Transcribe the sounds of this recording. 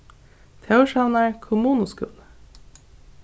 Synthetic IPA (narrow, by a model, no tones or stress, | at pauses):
t̪ʰeʊʃɑnəɹkʰʊmuːnʊskʉ̰l